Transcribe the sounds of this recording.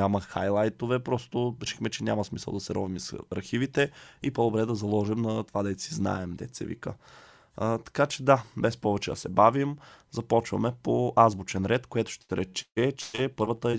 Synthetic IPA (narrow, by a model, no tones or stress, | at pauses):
amɐxa̰jlˠajt̪ovɛpɾɔst̪oɾiʃɛxmɛt͡ʃɛnʲamɐsmisə̰lˠd̪ɐsɛɾɔvimisɾxivit̪ɛipod̪obɾɛd̪ɐzɐlˠɔʒɛmnɐt̪o̥vad̪ɛit̪sizna̰ɛmd̪ɛ̰t̪sɛ̰vḭkə̰ | t̪ɐ̥kat͡ʃɛd̪abɛspɔvɛt͡ʃɛd̪ɐsɛbavimzɐpɔt͡ʃvɐ̰mɛpoʔazbut͡ʃɛnɾɛt̪kojɛt̪ʊ̥ʃt̪ɛɾʔɛt͡ʃɛt͡ʃɛpɤɾvət̪əɛ